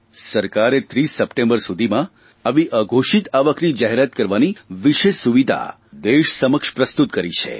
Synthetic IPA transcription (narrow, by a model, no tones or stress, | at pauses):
səɾkaɾet̪ɾisːəpʈẽmbəɾsud̪ʱimã | aʋiʔəɡʱoʃit̪aʋəknid͡ʒaɦeɾət̪̚kəɾʋaniʋiʃeʃsuʋid̪ʱa̰ | d̪eʃsəməkʃpɾəst̪ut̪kəɾit͡ʃʰḛ